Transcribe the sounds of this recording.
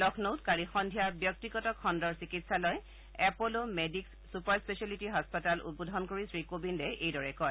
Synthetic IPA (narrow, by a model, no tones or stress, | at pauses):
lɔkʰnowtkaɹixɔndʱijaɹbjɔk̚tiɡɔtɔkʰːɔndɔɹsikitsalɔj | ɛpolomedikssupaɹspesalitiɦɔspɔtalʔṵt̚bodʱɔnkoɹisɹikobindɛʔejdɔɹɛkɔj